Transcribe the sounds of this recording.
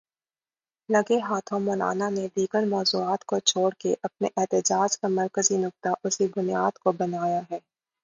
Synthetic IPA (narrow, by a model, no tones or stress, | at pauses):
lɐɡeɦaːt̪ʰõmʊːla̰ːnaned̪iːɡəɾmɔːzuaːt̪kot͡ʃʰoːɽkeʔɐp̚neʔɛɦt̪ɪd͡ʒaːd͡ʒkamɐɾkəzinʊk̚t̪aʔʊsibʊnjaːd̪kobɐnaːjaɦɛː